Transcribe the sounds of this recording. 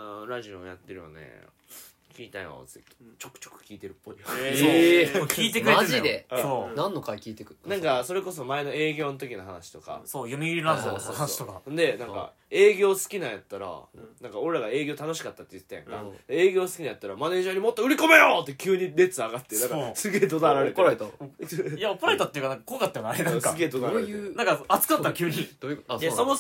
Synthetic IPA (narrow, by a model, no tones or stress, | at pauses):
anoɾaʑioja̰t̪ːe̞ɾɯ̟βa̰nḛ | kʲiːt̪aĩo̰zɨit̪ | t͡ɕokɯ̥o̥kɯ̟̥kʲiːt̪e̞ɾɯ̟pːo̞i | kʲiːt̪̬ekaɾeazid̪eonãnːo̞kakʲiːt̪e̞kɯnãŋkaso̞ɾe̞ko̞s̬o̞mae̞no̞e̞ːɡʲo̞ːnot̪̬o̞kʲinoɦanaɕi̥t̪o̞ka̰sojomʲiiɾʲiasooːst̪okaõnd̪e̞nãŋka̰ | e̞ːɡʲo̞ːsɨ̥kʲinajat̪ːaɾa̰nãŋkao̞ɾe̞ɾaɡae̞ːɡʲo̞ːt̪ano̞ɕi̥kat̪ːat̪ːejɯ̟t̪ːajã̰ŋka̰d̪ee̞ːɡʲo̞ːsɨ̥kʲinajat̪ːaɾamane̞ːʑaɲ̟imo̞t̪ːoɯ̟ɾʲiko̞me̞joːt̪ːe̞kʲɨːɲ̟iɾe̞t͡sɨaɡat̪ːenãkasɨɡe̞ːd̪od̪aɾaɾet̪ɾt̪ajapoɾait̪at̪ːejɯ̟kanãŋkakoakat̪ːeanaɾenãaɨɡeːd̪oaɾaɾeenãŋkaat͡sɨ̥kɯnat̪ːaɾakʲɨːɲi̥ | somo